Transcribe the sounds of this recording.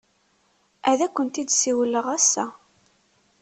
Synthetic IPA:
æðækʷːənt̪id̪siwlːəʁæsːæ

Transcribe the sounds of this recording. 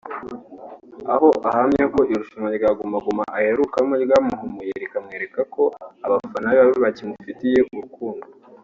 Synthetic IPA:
aho̞ʔahamɲako̞ʔiɾuʃumaɾɡaɡumaɡumaʔaheɾukamoɾɡamuɦumujeɾikamŋe̞ːɾe̞kako̞aβafanaβiβaβiβacimuufitije̞ʔuɾukuːndo

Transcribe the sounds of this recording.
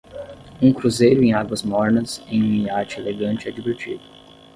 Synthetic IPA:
ũkɾuzejɾʊẽj̃aɡwɐzmɔɾnɐzẽj̃mĩaɾt͡ʃɪeleɡɐ̃nt͡ʃɪɛd͡ʒiveɾt͡ʃḭd̪ʊ

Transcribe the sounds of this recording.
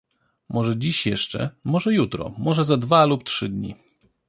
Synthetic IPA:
mʔɔʐɛd͡ʑiɕjɛʂt͡ʂɛ̰mɔʐɛjut̪ɾɔ̰mɔʐɛzad̪valuptʂɘd̪ɲḭ

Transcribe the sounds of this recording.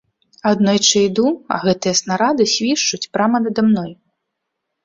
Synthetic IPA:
ad̪nɔjt͡ʂɨjd̪uɐ̰ɣɛt̪ɨjɐsnaɾad̪ɨsʲvʲiʂt͡ʂut͡sʲpɾamɐnɐd̪amnɔj

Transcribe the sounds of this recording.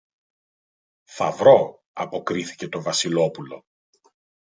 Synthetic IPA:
fɐvɾo̞ | ɐpo̞kɾiθi̥ce̞t̪o̞vɐsilo̞pulo̞

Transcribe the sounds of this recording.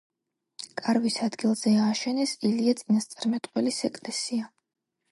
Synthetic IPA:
kʼaɾvisad̪ɡilˠz̥ɛaːʃɛnɛsiliat̪sʼinast̪sʼaɾmɛt̪ʼqʼwɛlisɛkʼlɛsia

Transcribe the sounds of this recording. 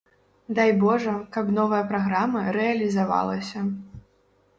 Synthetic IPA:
d̪ajbɔʐɐkabnɔvɐjɐpɾaɣɾamɐɾɛɐlʲizava̰lˠɐsʲɐ

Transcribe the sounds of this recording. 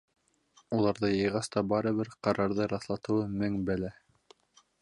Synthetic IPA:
ulˠɑɾðɤjɤ̆jʁɑst̪ɑbɑɾɤ̆βɘɾqɑɾɑɾðɤɾɑθlˠɑt̪ɤ̆wɤmɘŋbælæ

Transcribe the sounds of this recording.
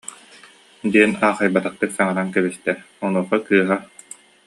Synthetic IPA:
d̪iɛnaːχajbat̪aχt̪ɯksɛŋɛɾaŋkɛbist̪ɛ | ɔnuɔχakɯːɦa

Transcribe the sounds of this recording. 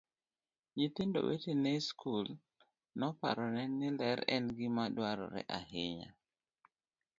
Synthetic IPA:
ɲit̪indo̰wʔḛtinɛskʰul | nɔpa̰ɾɔnɛnɪlɛɾɛnɡɪmadwaɾɔ̰ɾɛ̰ʔahɪɲa̰

